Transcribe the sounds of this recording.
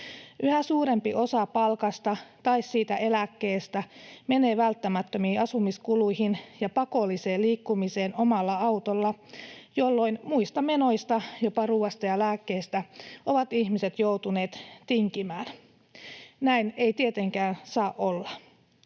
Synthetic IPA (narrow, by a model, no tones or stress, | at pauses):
ʔyhæsuːɾe̞mpiʔo̞sɑpɑlkɑst̪ɑt̪ɑissiːt̪æʔe̞lækːe̞ːst̪æme̞ne̞ːʋælt̪ːæmæt̪ːømiːɑsumiskulujhinjɑpɑko̞lːiseːliːkːumise̞ːno̞mɑlːɑɑwt̪olːɑjolːo̞inmuist̪ɑme̞no̞jst̪ɑjo̞pɑruːɑst̪ɑjɑlæːkːe̞ːst̪æʔo̞ʋɑt̪içmise̞t̪jowt̪uneːt̪t̪iŋkimæːn | næine̞it̪ie̞t̪e̞ŋkæːnsɑːʔolːɑ